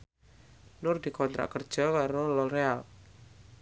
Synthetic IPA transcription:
nʊrd̪̥i̤kɔnt̪ɾa̰ʔkərd̥ʒ̥ɔ̤kaɾolɔɾea

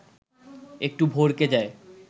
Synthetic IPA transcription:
ek̚ʈubʱoɾked͡ʑae

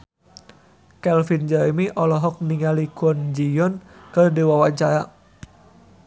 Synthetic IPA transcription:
kɛlfind͡ʒaimiʔɔlɔɦɔk̚niŋalikɔnd͡ʒijɔnkərdiwawaɲt͡ʃaja

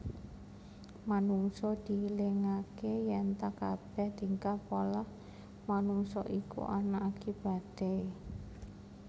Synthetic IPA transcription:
manuŋsɔd̪̥i̤leŋakejɛnt̪akab̥ɛ̤hd̪̥i̤ŋkapolah | manuŋsɔʔikṵʔa̰naʔːkib̥a̤d̪̥a̤j

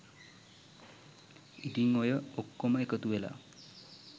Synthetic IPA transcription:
itiŋojəokːoməekət̪uela̰

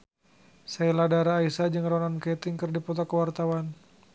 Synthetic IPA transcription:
sailadaɾaːisad͡ʒɨŋrɔnankɛt̪ɪŋkərdipɔt̪akəwart̪awan

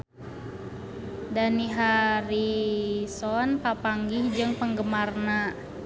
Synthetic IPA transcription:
daniɦaɾisɔnpapaŋɡihd͡ʒɨŋpəŋɡəmarna

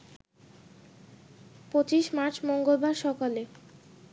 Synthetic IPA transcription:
pot͡ɕiʃmaɾt͡ɕmoŋɡolbaɾʃɔkale

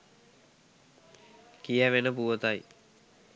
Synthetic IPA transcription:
kijəʋenəpuʋət̪aj

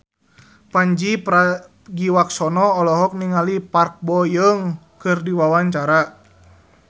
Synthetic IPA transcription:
paɲd͡ʒipɾa | ɡiwaksɔnɔːlɔɦɔk̚niŋalipark̚bɔjəŋ | kɨrdiwawaɲt͡ʃaɾa

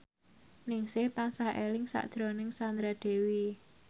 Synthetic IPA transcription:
nɪŋsɪht̪aŋsahʔelɪŋsa̰ʔd̥ʒ̥ɾonɪŋsand̪ɾad̪̥e̤wi

